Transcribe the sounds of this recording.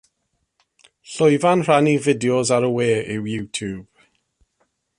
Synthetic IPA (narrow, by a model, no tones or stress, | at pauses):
ɬʊjvanr̥anivɪdiɔzaɾəweːʔɪwjuːtʰuːb̥